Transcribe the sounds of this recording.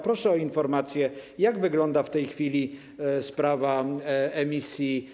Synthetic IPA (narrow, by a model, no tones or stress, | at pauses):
pɾɔʂɛɔinfɔɾmat̪sʲjɛjaɡvɘɡlɔnd̪aft̪ɛjxfʲilʲi | spɾavaɛmʲisʲji